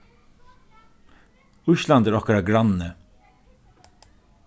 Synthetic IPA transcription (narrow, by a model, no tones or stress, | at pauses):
ʊʃland̪æɾɔhkaɾaɡɾannə